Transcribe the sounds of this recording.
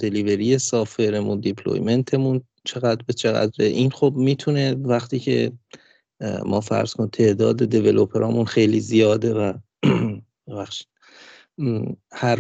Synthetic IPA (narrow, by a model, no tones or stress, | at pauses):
d̪e̞live̞ɾije̞sɒːfe̞ɾemṵnd̪ipʰlo̰jme̞nt̪ʰe̞mun | t͡ʃʰe̞ɣæd̪bet͡ʃʰeɣæ̰d̪ɾeʔiːnxobmiːt̪ʰune̞væxt̪ʰiːcʰe̞̰ | mɒ̰ːfæ̰ɾz̥kʰont̪ʰe̞ʔd̪ɒ̰ːd̪e̞d̪eve̞lo̞pʰeɾʔɒːmunxe̞jliːzijɒːd̪e̞væ | ebæxʃi̥d̪̥̚ | hæɾ